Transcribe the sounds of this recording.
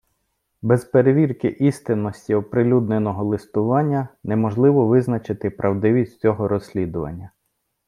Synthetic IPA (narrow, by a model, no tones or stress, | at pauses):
bɛzpeɾeʋʲirkɪʔist̪ɪnːɔsʲtʲiɔpɾɪlʲud̪nenɔɦɔlˠɪst̪ʊʋɑnʲːɐnɛmɔʒlˠɪʋɔʋɪznɐt͡ʃɪt̪ɪpɾʔɐwd̪ɪʋʲisʲtʲt͡sʲɔɦɔɾɔsʲlʲid̪ʊʋɐ̰nʲːɐ